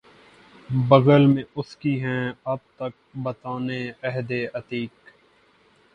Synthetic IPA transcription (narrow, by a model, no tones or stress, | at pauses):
bəɣəlmẽʊskiɦɛ̃ːɐb̚t̪ɐk̚bət̪aːneɛɦd̪eːʔət̪iːk